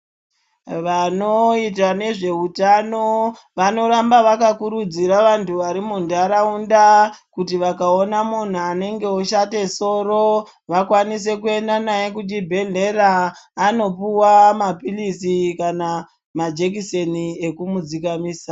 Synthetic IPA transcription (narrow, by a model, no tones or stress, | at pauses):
ʋano̞it̬ane̞ʐe̞utano | ʋano̞ɾambaʋakakuɾud͡ziɾaʋantʰuʋaɾimundaɾaundakutiʋakao̞namun̤uane̞ŋɡe̞oʃate̞so̞ːro | ʋakwanis̬e̞kue̞ndanaje̞kut͡ʃibʱe̞ɮe̞ɾaːno̞puwamapilisikana | mad͡ʒekisenie̞kumud͡zikamiːsa